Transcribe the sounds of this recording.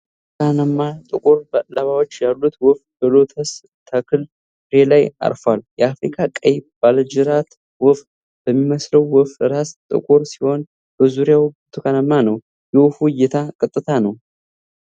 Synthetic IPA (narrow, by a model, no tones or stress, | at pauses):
t̪kʰanəmːat̪ʼɨkʼuɾbalaβawot͡ʃːjalːut̪wɔfbəlot̪ʰəs | t̪ʰakʰɨl | ɨɾelaja̰ɾfwaljɛafɾikʰakʼəjb̥ald͡ʒɨɾat̪ | wɔf | b̥əmːiməsləwːɔfɨɾast̪ʼɨ̰kʼuɾsi̥ho̞n | b̥əzuɾjawt̪ʰukʰanəmːanəw | jɛwfujɛt̪ʰakʼɨt̪ʼːɨt̪ʰanəw